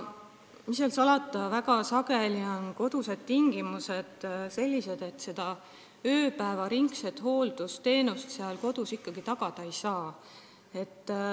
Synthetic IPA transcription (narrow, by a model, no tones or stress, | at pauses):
miselsɑlɑt̪ːˑɑvæɡ̥ɑsɑɡ̥e̞lio̞nko̞d̪̥use̞d̪̥t̪ːiŋɡ̥imuse̞d̪̥se̞lʲːise̞d̪̥e̞t̪ːse̞d̪̥ɑ | øːpæevɑɾiŋkset̪ˑho̞ːld̪̥ust̪e̞ːnust̪seɑlko̞d̪̥usikːɑɡit̪ɑɡ̥ɑd̪̥ɑejsɑː | e̞t̪ː